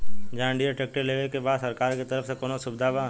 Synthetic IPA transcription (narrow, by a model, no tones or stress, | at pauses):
d͡ʒãːɳɖiəʈeːk̚ʈeleːʋekebaːd̪sɐɾkaːɾket̪ɐɾəfsekoːnosʊbd̪ʱabãː